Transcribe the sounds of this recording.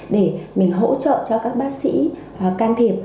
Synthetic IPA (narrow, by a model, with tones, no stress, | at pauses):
ɗe˧˩mï˨˩ŋ̟ɦo̰˧˥t͡ɕə̰ː˧˨t͡ɕɔ˧kaː˦˥k̚ɓaː˦˥k̚sḭ˧˥ | kaː˧nt̪ʰi˨˩əp̚